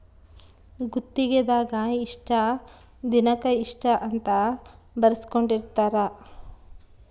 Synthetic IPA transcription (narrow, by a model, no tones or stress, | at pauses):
ɡut̪ːiɡed̪aːɡɐiʂʈɐ | d̪inɐkɐiʂʈɐʔɐnt̪ɐ | bɐɾɐsi̥koɳɖiɾt̪aːɾɐ